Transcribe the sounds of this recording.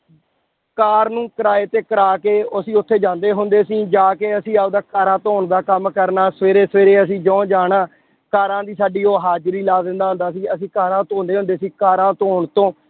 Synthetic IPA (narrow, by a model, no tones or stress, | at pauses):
kaːɾnũːkəɾaːeːt̪eːkəɾaːkeːʊsĩːʊt̪ʰːeːd͡ʒãːnd̪eːɦʊnd̪eːsĩːd͡ʒaːkeəsĩːaːd̪aːkaːɾãːt̪oːɳd̪aːkəmkəɾnaːsəʋeːɾeːsəʋeːɾeːəs̬ĩːd͡ʒɔ̃ːd͡ʒaːɳãː | kaːɾãːd̪iːsaːɖiːoːɦaːd͡ʒɾiːlaːd̪ɪnd̪aːɦʊ̃nd̪aːsĩːəsĩːkaːɾãːt̪õːnd̪eːɦʊ̃nd̪eːsiːkaːɾãːt̪oːɳt̪õː